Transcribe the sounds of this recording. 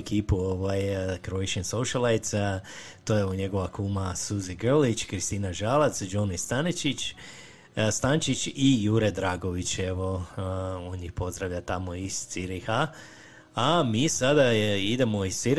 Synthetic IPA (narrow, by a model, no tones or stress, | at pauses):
kiːpuoʋajkɾojʃensoʃalajt̪sa | t̪ojeoɲe̞ɡo̞ʋakumasuziɡəlit͡ʃkɾist̪iːnaʒaːlat̪sd͡ʒonist̪anet͡ʃit͡ʃ | st̪ant͡ʃit͡ʃijuɾed̪ɾaːɡo̞ʋit͡ɕeʋo̞ | onɲixpo̞zd̪ɾaʋʎʲat̪amoist̪siɾexa | amisad̪aid̪e̞moissiɾ